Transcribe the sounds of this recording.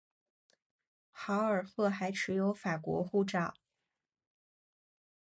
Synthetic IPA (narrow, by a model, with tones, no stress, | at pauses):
xɑ˧˥ʊə˞˨˩xɤ˥˩xa˧˥ɪʈ͡ʂʰɻ̩˧˥jo˧˥ʊfa˨˩kwɔ̰˧˥xu˥˧ʈ͡ʂɑ˨˩˦